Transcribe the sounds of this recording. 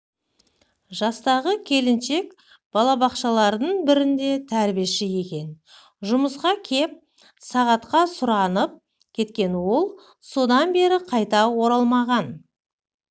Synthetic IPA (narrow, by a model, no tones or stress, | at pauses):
ʒɑst̪ɑʁəkʲʰe̞lɪnʃe̞k | b̥ɑlˠɑbɑqʃɑlˠɑɾd̪əɴbɪɾɪnd̪e̞t̪ʰæɾbieʃɪje̞kʲe̞n | ʒʊməsqɑkʲʰe̞p̚ | sɑʁɑt̪qɑsʊɾɑnəp̚ | kʲʰe̞t̪kʲe̞nwo̞lˠ | so̞d̪ɑnbe̞ɾɪqʰɑjt̪ɑwo̞ɾɑlˠmɑʁɑn